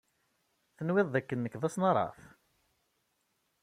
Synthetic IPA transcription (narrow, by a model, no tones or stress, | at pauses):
θənwɪðˤːækːənːəkðæsnɑɾˤɑ̰θ